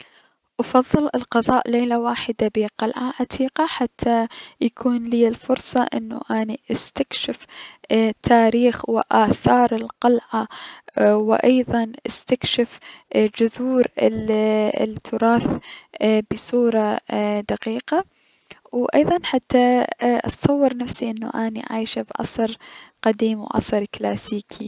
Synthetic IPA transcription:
ʔɑfɑðˤːɨlɪlqɑðˤɑːʔleːlawaːħɪd̪abiqɑlʕaʕat̪ʰiːqaħat̪ʰːajakʰuːnliːɪlfʊɾsˤɑ̰ʔɪ̰nːṵʔaːniʔast̪akʃɪf | t̪ʰaːɾiːxwɪʔaːθɑːɾˤɪlqɑlʕa | wɪʔɑjðˤɑnʔɪst̪akʃɪfd͡ʒʊðuːɾɪ̰ | t̪ʰːʊɾˤɑːθ | bɪsuːɾˤɑd̪aqiːqa | wʔɑjðˤɑnħat̪ːaʔɑ̰sˤɑwːɨɾˤnafsiʔɪnːṵʔaːnḭʕa̰ːjʃabʕɑ̰sˤɾqad̪iːmwʕɑ̰sˤɨɾklaːsiːkʰi

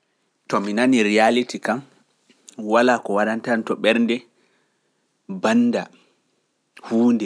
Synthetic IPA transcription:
tɔminaniɾialitikam | walaːkɔwaɗantantɔɓɛɾndɛ | banːda | huːndɛ

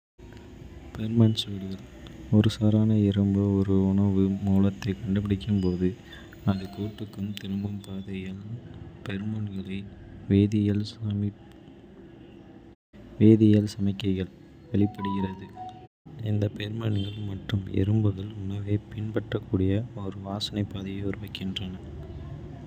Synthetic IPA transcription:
pɛɾmɐnsʋɪɽɯɣɐɭ | ɔɾɯsaːɾaːnɐɪɾɯmbɯɔɾɯʊɳɐʋɯmuːlɐt̪ːɐɪkɐɳɖɯpɪɽɪkːɯmpoːðɯ | ɐðɯkuːʈːɯkːɯmt̪ɪɾɯmbɯmpaːðɐjɐlpɛɾmɐɳɡɐɭɐɪʋeːðɪjɐɭsami | ʋeːðɪjɐlsɐmɐɪkːɐɪɣɐɭ | ʋɐɭɪpːɐɽɯɣɪrɐðɯ | ɪnd̪ɐpɛɾmɐɳɡɐɭmɐʈrɯmɛ̰ɾɯmbɯðɐɭʊnɐʋeːpɪɳpɐʈrɐkːuːɽɪjɐɔɾɯʋaːsɐnɐɪpːaːðɪjɐʊɾɯʋɐɪkːɪndrɐnɐ

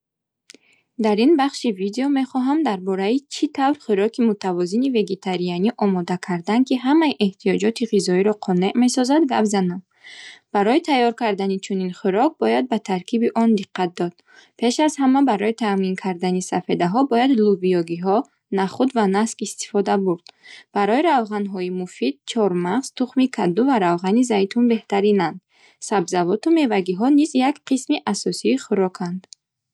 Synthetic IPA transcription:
d̪aɾinbaχʃivid̪eɔme̞χɔɦamd̪aɾbɔɾait͡ʃʰit̪ʰavɾχuɾɔkʰimut̪ʰavɔzinive̞ɡe̞t̪ʰaɾijaniʔɔmɔd̪akʰaɾd̪ankiɦamaiʔeht̪ʰijɔd͡ʒɔt̪ʰiʁizɔiɾɔqʰɔne̞ʔme̞sɔzad̪ɡapzanam | b̥aɾɔit̪ʰajːɔɾkaɾd̪anit͡ʃʰuninχuɾɔk̚bɔjad̪̚bat̪ʰaɾkʰibiʔɔnd̪iqʰːat̪̚d̪ɔd̪̥̚ | pʰe̞ʃazhamabaɾɔit̪ʰaminkʰaɾd̪anisafed̪aɦɔbɔjad̪lubijɔɡiɦɔ | naχud̪vanaskist̪i̥fɔd̪abuɾd̪̥b̥aɾɔiɾavʁanɦɔimufid̪̥̚t͡ʃʰɔɾmaʁz̥t̪ʰuχmikʰad̪uvaɾavʁanizajt̪ʰunbe̞ht̪aɾinand̪ | sabzavɔt̪ume̞vaɡiɦɔnizjakqʰismiʔasɔsiːχuɾɔkʰand̪

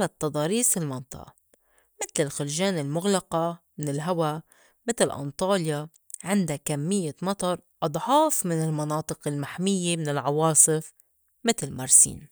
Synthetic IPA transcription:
lat̪ːɑd̪ˤɑːɾiːsɪlmɑnt̪ˤɑ̰ʔɑ̰ | mɪt̪lɪlxʊlʒaːnɪlmʊɣlɑqamɪnɪlɦawa | mɪt̪lʔɑ̰nt̪ˤɑːlja | ʕɪnd̪akamːɪjːamɑt̪ˤɑɾˤʔɑd̪ˤʕɑːfmɪnɪlmɑnɑːt̪ˤɨqɪlmaħmɪjːemɪnɪlʕɑwɑːsˤɨf | mɪt̪lmɑɾˤsḭːn

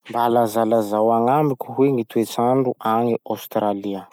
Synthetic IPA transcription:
mbalazalazawaŋamikʲuɦweŋit̪uet͡saɳɖ͡ʐuʔaŋiawst̪ɾaliə

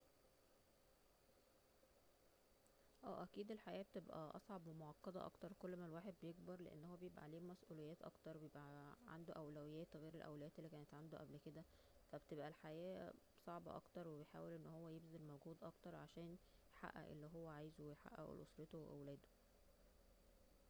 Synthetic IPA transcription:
ʔæ̰ːʔækiːd̪elħaʔæːbet̪ebʔæ̰ʔɑ̰sˤʕɑbwemoʕɑqːɑd̪ˤɑ̰ʔɑ̰kt̪ɑɾˤkolːmælwaːħed̪̚bejeɡbɑɾˤlḛʔḛnːhowːæbejebʔæ̰ʕleːmæsʔuːlejːæːt̪ʔɑ̰kt̪ɑɾˤwebejebʔæʕa̰nd̪oʔæwlæwejːæːt̪ɣeːɾelʔæwlæjæːt̪elːikæːnet̪ʕand̪oʔæblked̪æ | fæbet̪ebʔælħajæː | sˤɑʕbɑʔɑ̰kt̪ɑɾˤwebejħa̰ːwelʔenːhowːæjebzælmowɡuːd̪ʔɑkt̪ɑɾˤʕaʃæːnjħa̰ʔːæ̰ʔḛlːiɦowːæʕaːjzwejħa̰ʔæ̰ʔḛlʔo̰sˤɾet̪oweʔæ̰wlæːd̪o̥

